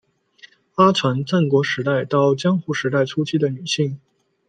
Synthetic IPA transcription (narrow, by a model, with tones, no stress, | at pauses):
fa˥t͡sʰwa˧˥nt͡sa˥˩nkwɔ˧˥ʂɻ̩˧˥t̪a˥˩ɪt̪ɑ˥˩ʊt͡ɕjɑ˥ŋxu˥˩ʂɻ̩˧˥t̪a˥˩ɪʈ͡ʂʰu˥t͡ɕʰi˥d̪ə˨ny˨˩ɕi˥˩ŋ